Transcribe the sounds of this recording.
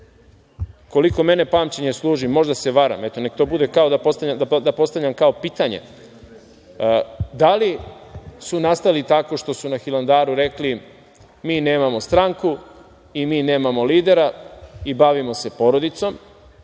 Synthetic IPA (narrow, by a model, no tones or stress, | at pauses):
ko̞liko̞me̞ne̞paːmt͡ɕeɲe̞slˠuːʒimo̞ʒd̪ase̞ʋaɾa̰met̪o̞nek̚t̪o̞bud̪ekao̞d̪apo̞st̪aʎʲamd̪ad̪apo̞st̪aʋʎʲamkaopiːt̪aɲe̞̰ | d̪ali | sunast̪alit̪ako̞ʃt̪o̞sunaxiland̪aːɾuɾe̞kli | miːne̞ːmamo̞st̪ɾaŋku | imiːneːmamo̞liːd̪e̞ɾaibaʋimo̞se̞po̞ɾo̞d̪it̪so̞m